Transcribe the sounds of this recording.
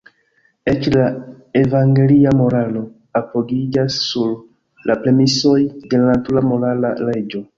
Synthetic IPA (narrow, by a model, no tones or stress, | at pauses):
e̞t͡ʃla | e̞vaŋɡe̞liamo̞ɾalo̞ | apo̞ɡid͡ʒasːuɾ | lapɾe̞miso̞jde̞lanatuɾamo̞ɾalaɾe̞d͡ʒo̞